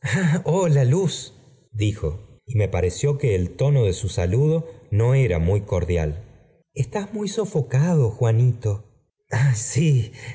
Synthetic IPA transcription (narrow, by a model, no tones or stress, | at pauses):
aolalus | d̪ixo̞̰ime̞paɾe̞sjo̞ke̞ːlt̪o̞no̞ðe̞susaluðo̞no̞eɾamujko̞ɾðja̰l | est̪azmujso̞fo̞kaðoxwanit̪o̞ | asi